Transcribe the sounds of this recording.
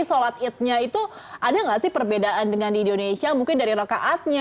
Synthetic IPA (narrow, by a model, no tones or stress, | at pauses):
solat̪̚ɪt̪̚ɲait̪u | ʔadaŋɡaʔsɪhpərbedaʔandəŋandindonesiamuŋkɪndaɾiɾokaʔat̪̚ɲa